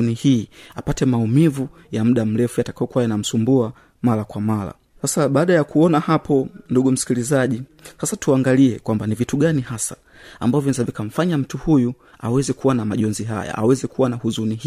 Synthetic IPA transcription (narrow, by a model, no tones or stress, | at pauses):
unihiːapatɛmaumivu | jam̩ɗam̩lɛfujatakaɔkuwajanam̩sumbua | malakwamala̰ | sasaɓaːɗajakuɔnahapɔnduɠum̩si̥kilizaʄisasatuaŋɡaliɛkwambanivituɡanihasḁ̰ː | mbaɔvinɛzavikam̩faɲam̩tuhuju | a̰wɛzɛkuwanamaʄɔnziɦa̰ja̰a̰wɛzɛkuwanahuzunih